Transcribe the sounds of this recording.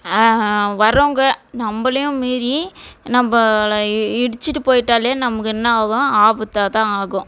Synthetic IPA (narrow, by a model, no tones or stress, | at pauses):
ʋɐɾoːŋɡɐnɐmbɐlɐjʊ̃miːɾinɐmbɐ | ɪɽɯt͡ʃːɯʈːɯpoːjɪʈːaːleːnɐmɐkːɯɛnːɐaːɣʊ̃aːbɯt̪ːaːt̪ãːaːɣʊ̃